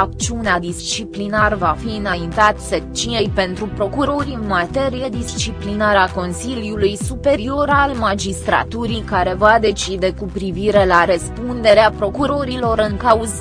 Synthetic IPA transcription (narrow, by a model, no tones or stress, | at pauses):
ak̚t͡ʃiunead̪ist͡ʃiplinarvafiɨnaint̪at̪sek̚t͡ʃinejpe̞nt̪ɾupɾo̞kuɾo̞ɾʲiɨnmat̪e̞ɾijed̪ist͡ʃiplinaɾako̞nsiljulujsupe̞ɾio̞ɾalmad͡ʒist̪ɾa̰t̪uɾikaɾe̞vad̪e̞t͡ʃid̪e̞kupɾiviɾe̞laɾəspund̪e̞ɾeapɾo̞kuɾo̞ɾilo̞ɾɨŋkauz